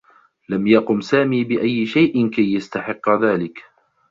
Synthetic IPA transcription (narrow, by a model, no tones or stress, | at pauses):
lamjɑqʊmsaːmiːbɪʔajːɪʃajʔɪnkajːast̪aħɪqːðaːlɪk